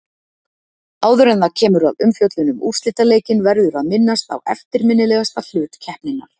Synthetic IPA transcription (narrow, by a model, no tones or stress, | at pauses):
aːwðʏɾɛnðacʰɛːmʏɾa̰ðʏmfjowt̪lʏnʏmṵr̥sɪt̪aleːjcɪnvɛɾðʏɾaðmɪnːast̪a̰wɛ̰ft̪ɪɾmɪnːɪlɛːɣast̪al̥ʏːt̪cʰɛhpnɪnːa̰ɾ̥